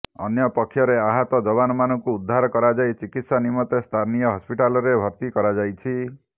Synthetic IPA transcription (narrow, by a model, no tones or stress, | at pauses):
ɔ̰njɔpɔkʰːjɔɾeaɦɔt̪ɔd͡ʒɔβanɔmanɔŋkuːd̪ʱːaɾɔkɔɾad͡ʒajt͡ʃikit̪sanimɔt̪est̪ʰanijɔɦɔspiʈalɔɾebʱɔɾt̪ikɔɾad͡ʒajt͡ʃʰi